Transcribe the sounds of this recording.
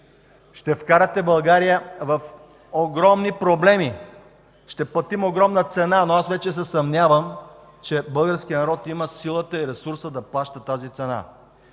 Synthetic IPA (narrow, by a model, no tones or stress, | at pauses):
ʃt̪ɛfkaɾət̪ɛbɐlˠɡaɾijəvɐf | oɡɾɔmnipɾoblɛmi | ʃt̪ɛplˠɐt̪imoɡɾɔmnət̪sɛnanoasvɛt͡ʃɛsɛsɐmnʲavəm | t͡ʃɛbɤlˠɡəɾsk̟iənɐɾɔt̪iməsilˠət̪əiɾɛsuɾsəd̪ɐplˠaʃt̪ət̪azit̪sɛna̰